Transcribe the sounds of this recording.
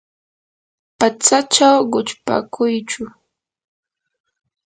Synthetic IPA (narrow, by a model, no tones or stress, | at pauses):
pat͡sat͡ʃawɢʊt͡ʃpa̰kʰʊjt͡ʃʊ